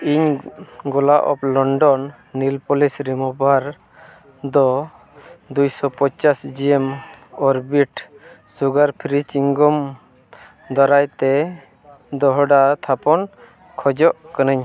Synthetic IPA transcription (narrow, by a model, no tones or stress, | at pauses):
iɲɡɔlaʔɔ̰plɔɳɖɔnː | ilpɔlisɾimɔbaɾ | d̪ɔ | d̪ujsɔpɔɲt͡ʃasd͡ʒiɛmɔɾbiʈ | suɡaɾpʰiɾit͡ʃiŋɡɔm | d̪ɔɾajt̪ɛ | d̪ɔɦɔɖat̪ʰapɔn | kʰɔd͡ʒɔʔkanəɲ